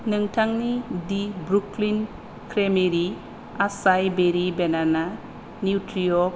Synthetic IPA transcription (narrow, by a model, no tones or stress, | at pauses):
nɯŋtʰaŋnidibɾuklin | kʰɾemeɾi | asajbeɾibenana | niutɾijɔ